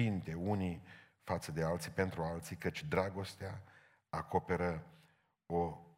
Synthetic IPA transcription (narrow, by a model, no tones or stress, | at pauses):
int̪e̞uni | fat̪səd̪e̞alt̪sipe̞nt̪ɾualt̪sikət͡ʃʲd̪ɾaɡo̞st̪ea | ako̞pe̞ɾə | o̞